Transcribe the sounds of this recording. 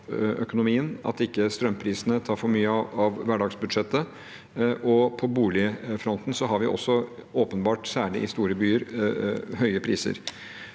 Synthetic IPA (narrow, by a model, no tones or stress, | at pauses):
ʔœkʊnʊmiːənɑ̰t̪ɪkːəst̪ɾœmpʰɾiːsənət̪ʰɑːɾfɔɾmyːəɑʋʋæɖɑːɡsbʉd̪ʂɛt̪ːə | ʔɔpʰɔbuːlɪəfɾɔnt̪n̩sɔɦɑɾʋɪʔɔ̰sːɔoːpənbɑːʈsæːɭɪ̰ʔɪst̪uːɾəbyːəɾ | ɦœʏəpʰɾiːsə̰ɾ